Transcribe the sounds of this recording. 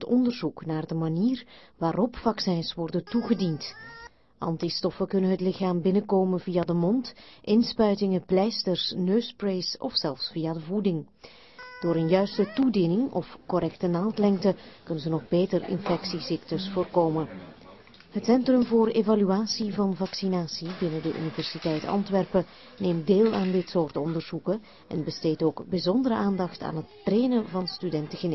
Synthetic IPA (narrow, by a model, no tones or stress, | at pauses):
tɔndərzuknaːrdəmaniːrʋaːɾɔpfɑksɛnsʋɔrdəntuɣədint | ʔɑ̰ntistɔfəkɵnənɦətlɪxaːmbɪnəkoːmənvijadəmɔntʔɪnspœɥtɪŋəplɛjstərsnøːsprejsɔ̰fsɛlˠfsfijadəvudɪŋ | d̥oːɾənjœɥstətudinɪŋɔ̰fkɔɾɛktənaːtlɛŋktəkɵnənzənɔɣbeːtərɪ̰nfɛksisɪktəsfoːrkoːmə | ɦətsɛntrɵmvoːreːvalyaːsivɑnvɑksinaːsibɪnədəʔy̰nivɛrsitɛjtɑ̰ntʋɛrpə | neːmdeːlˠaːndɪtsoːrtɔndərz̥ukə | ɛ̰nbəsteːtoːɡbizɔndəɾəʔaːndɑxta̰ːnɦətːreːjnəvɑnstydɛntəɣən